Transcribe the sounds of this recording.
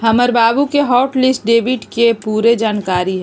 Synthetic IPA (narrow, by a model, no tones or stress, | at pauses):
ɦɐməɾbaːbukeɦɔːʈlɪsʈ̚ɖeːʋɪʈkepuːɾed͡ʒaːnkaːɾiɦɛː